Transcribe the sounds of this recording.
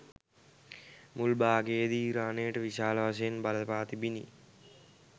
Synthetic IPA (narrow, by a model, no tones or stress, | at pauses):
mulbaːɡeːd̪iːɾaːneːʈɐʋiʃaːlɐʋɐs̬ɐjɐnbɐlɐpaːt̪ibinḭ